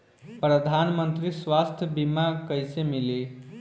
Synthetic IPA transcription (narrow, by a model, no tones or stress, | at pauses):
pɾəd̪ʱanmənt̪ɾiswast̪ʰjəbimakəjsemili